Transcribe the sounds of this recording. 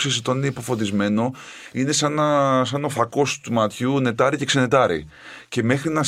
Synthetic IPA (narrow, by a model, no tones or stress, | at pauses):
sest̪onineipo̞fo̞t̪izme̞no̞ine̞sɐnɐsɐnofɐko̞st̪umɐt̪çune̞t̪ɐɾice̞ksene̞t̪ɐɾḭ | ce̞me̞xɾinɐ